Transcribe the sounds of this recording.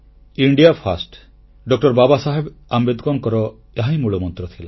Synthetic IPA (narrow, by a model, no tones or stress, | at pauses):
iɳɖijapʰasʈ | ɖɔk̚ʈɔɾbabasaɦebambed̪kɔnkɔɾɔ | eɦaj̃muɭɔmɔnt̪ɾɔt̪ʰila